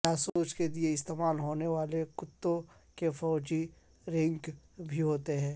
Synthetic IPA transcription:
jaːsoːt͡ʃkelieɪst̪eːmaːlɦoːneʋaːlekʊt̪ːõkefɔːd͡ʒi | ɾɪ̃ŋk | bʱiɦoːt̪eɦɛ̃ː

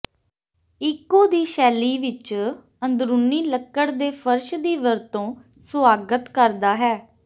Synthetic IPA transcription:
ɪkːõːd̪iːʃɛːliːʋɪt͡ʃ | ənd̪ɾuniːləkːəɽd̪eːpʰəɾʃd̪iːʋəɾt̪õː | sʊaːɡət̪kəɾd̪aːɦɛː

